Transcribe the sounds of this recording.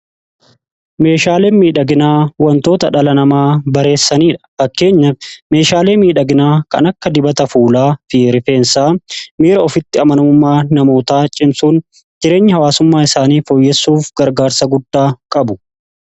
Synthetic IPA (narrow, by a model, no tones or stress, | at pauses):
me̞ːʃaːleːnmiːᶑɐɡɪnaːwɐnt̪oːt̪ɐᶑɐlɐnɐmaːbɐɾe̞ːsːɐniːᶑɐ̥fɐkːe̞ːɲːɐme̞ːʃaːle̞ːmiːᶑɐɡɪnaːkɐ̰nɐkːɐd̪ɪbɐt̪ɐfuːlaːfiːɾɪfe̞ːnsaːmiːɾɐɔfɪt̪ːɪɐmɐnʊmʊmːaːnɐmo̞ːt̪aːt͡ʃʼɪmsuːn | d͡ʒɪɾe̞ːɲːɪhɐwaːsʊmːaːɪsaːniːfɔjːɛsːuːfɡɐɾɡaːɾsɐɡʊd̪ːaːkʼɐbʊ̥